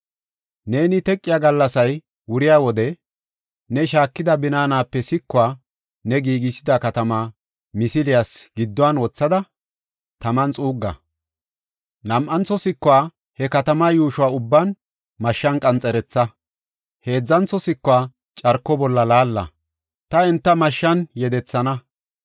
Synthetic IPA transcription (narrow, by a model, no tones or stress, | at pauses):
ne̞ːnɪt̪ɛkʼːɪjaːɡɐlːɐsɐj | wʊɾɪjaːwɔd̪ɛ | nɛʃaːkːɪd̪ɐbɪnaːnaːpːɛsɪkːʊwaː | nɛɡiːɡɪsɪd̪ɐkɐt̪ɐmaː | mɪsɪlɪjasɡ̥ɪd̪ːɔwaːnwɔt͡sːɐd̪ɐ | t̪ɐmɐnt͡sʼuːɡːɐ̰ | nɐmʔɐnt͡sːɔsɪkːʊwaː | hɛkɐt̪ɐmaːjuːʃʊwaːʊbːaːn | mɐʃːɐnkʼɐnt͡sʼɛɾɛt͡sːɐ | he̞ːd͡zːɐnt͡sːɔsɪkːʊwaː | t͡ʃʼɐɾkːɔbɔlːɐlaːlːɐ̰ | t̪ɐɛnt̪ːɐmɐʃːɐnjɛd̪ɛt͡sːɐnɐ